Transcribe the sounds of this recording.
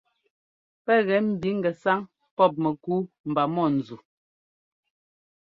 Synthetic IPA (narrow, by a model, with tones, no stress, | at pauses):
pɛ˦ɣɛ˨˦m̩˨bi˨˦ŋ̩˨ɡɛ˨sa˦ŋ | pɔ˦˨p̬̚mɛ˨ku˦ | m̩˨ba˨mɔ˦˨n̩˨zu˨